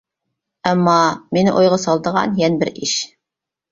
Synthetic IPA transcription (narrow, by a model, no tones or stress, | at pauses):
æmːɑmenɪʔojʁɑsɑlˠd̪ɤʁɑ̰njɛnbɘɾiʃ